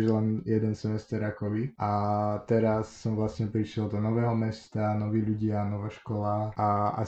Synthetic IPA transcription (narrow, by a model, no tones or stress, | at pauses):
ʒlɛnjɛd̪ɛnsɛmɛst̪ɛɾakɔbiʔat̪ɛɾasːɔmvlasɲɛpɾiʃɛld̪ɔnɔʋɛːɦɔmɛst̪anɔʋiːʎuɟɪanɔʋaːʃkɔlaaa̰